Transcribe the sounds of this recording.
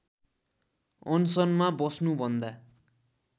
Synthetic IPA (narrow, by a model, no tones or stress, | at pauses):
ʌnsʌnmabʌsnubʱʌnd̪a